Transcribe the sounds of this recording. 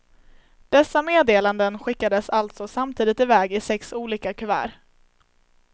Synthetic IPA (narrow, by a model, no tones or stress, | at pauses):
d̪̥ɛsːameːd̪eːland̪ənɧɪkːad̪əsalt̪sɔsamt̪ʰiːd̪ɪt̪ɪvɛːɡɪsɛksuːliːkakʰɵvæ̰ːɾ